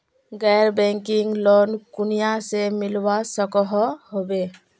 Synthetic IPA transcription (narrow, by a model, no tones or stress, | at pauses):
ɡɛɾbɛŋkiŋɡlonkunijasemilwasɔkɔɦɔhobe